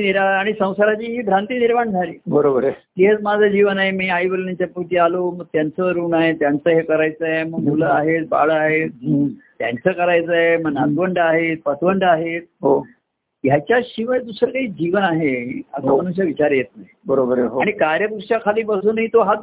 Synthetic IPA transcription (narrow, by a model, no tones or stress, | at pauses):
iniɾaaɽ̃isə̃w̃saɾat͡ɕiːɦiːbʱɾant̪iːniɾmaɳd͡zʱaliːbəɾobəɾt̪eɦet͡smad͡zʱəd͡ʑiʋənaɦemiːaiʋəlnaɲt͡ɕjaput̪iːaloməɡ̚t̪jant͡səɾuːnaɦet̪jant͡səːɦekəɾajt͡səɦeməɡmuləaɦet̪̚ba̰ɭaɦet̪t̪ja̰nt͡səːkəɾajt͡səeməɡnat̪ʋəɳɖaɦet̪̚pət̪ʰʋəɳɖaɦet̪̚ɦo | jat͡ɕjaɕiʋəd̪usəɾkaɦiːd͡ʑiʋənaɦea̰samənuɕjaʋit͡ɕaɾjet̪naɦibəɾobəɾɦoaɽ̃ikaɾjəpukʂakʰaliːbəsuːnɦiːt̪oɦa